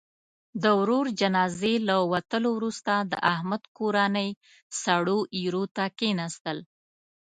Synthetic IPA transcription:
d̪əwɾoɾd͡ʒanɑzelawat̪əlowɾust̪ad̪ə̰ʔahmad̪koɾanəj | saɽoʔiɾot̪akenɑst̪əl

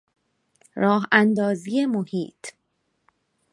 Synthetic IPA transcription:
ɾɒːɦænd̪ɒːziːjemohḭːt̪ʰ

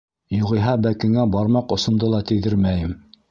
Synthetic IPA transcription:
juʁɤ̆jɦɑbækɘ̆ŋæbɑɾmɑqŏsŏnd̪ɤlˠɑt̪ɘ̆ðɘɾmæjɘm

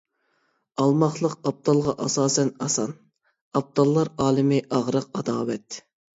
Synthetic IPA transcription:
ɑlˠmɑχlˠəqɑb̚d̪ɑlˠʁɑʔɑsɑːsɛnɑsɑn | ɑb̚d̪ɑlˠːɑɾɑːlˠɨmɪʔɑʁɾəq̚ɑd̪ɑːwɛt̪

